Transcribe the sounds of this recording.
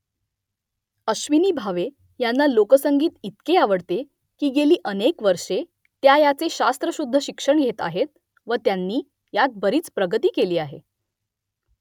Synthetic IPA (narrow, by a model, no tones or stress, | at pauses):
əɕʋiniːbʱaʋe | janːalokəsəŋɡiːt̪it̪keaʋəɽt̪e | kiːɡeliːʔənekʋəɾʂe | t̪jajat͡seɕast̪ɾəɕud̪ʱːəɕikʂəɳɡʱet̪a̰ɦet̪̚ | ʋət̪janːiː | jat̪̚bəɾiːt͡spɾəɡət̪iːkeliːaɦḛ